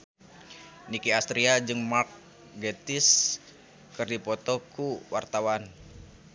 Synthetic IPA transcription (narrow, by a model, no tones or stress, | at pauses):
nikiast̪ɾiad͡ʒɨŋmark̚ | ɡet̪ɪs | kɨrdipɔt̪ɔkuwa̰rt̪awan